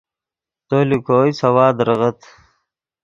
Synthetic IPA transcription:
t̪oːlikoːjsɐwaːd̪ɾəʁɐt̪

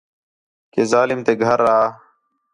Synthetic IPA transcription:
keːzaːlɪmt̪eːɡʱəɾːaɦaː

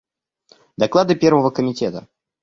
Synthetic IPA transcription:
d̪ɐklˠad̪ɨpʲervəvəkəmʲɪtʲɛt̪ə̰

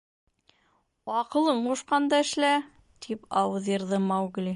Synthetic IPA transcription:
ɑqɤ̆lˠɤɴquʃqɑnd̪ɑɘ̆ʃlæ | t̪ʰipɑwɤðjɤ̆ɾðɤmɑwɡlʲi

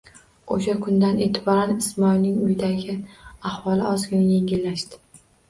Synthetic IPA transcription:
oʃakʰʊnd̪ane̞ːt̪ʰɪbɒɾanɪsmɒilnɪŋʊjd̪aɡʲɪahwɒlɪɒzɡʲɪnaje̞ŋʲɪlːaʃd̪ɪ̥

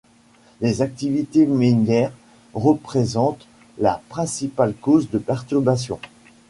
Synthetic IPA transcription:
lezak̚t̪ivit̪eminjɛʁ | ʁəpχezɑ̃t̪ | lapχɛ̃sipalkozd̪əpɛʁt̪yʁbas̬jɔ̃

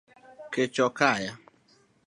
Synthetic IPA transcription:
ket͡ʃɔkaja

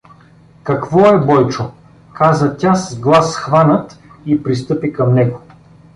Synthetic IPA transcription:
kɐkvɔɛbɔjt͡ʃo | kazət̪ʲasəzɡlˠasxvanət̪ipɾist̪ɤpikɐmnɛɡo

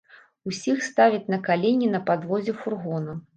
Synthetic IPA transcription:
usʲixst̪avʲɐt͡sʲnɐkalʲenʲinɐpad̪vɔd͡zʲɛfurɣɔnɐ

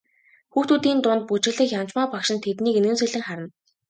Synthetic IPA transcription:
xuːxt̪uːt̪iːnt̪ʊnt̪̚put͡ɕɪ̆ɮĭxjamt͡ɕmaːpakʃɪ̆nt̪ʰet̪niːkenɘ̆nsĕɮɘ̆ŋχaɾə̆n

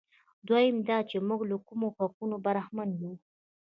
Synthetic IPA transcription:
d̪wajɪmd̪ɑt͡ʃemuɡlakumoxaqunobaɾahmanwi

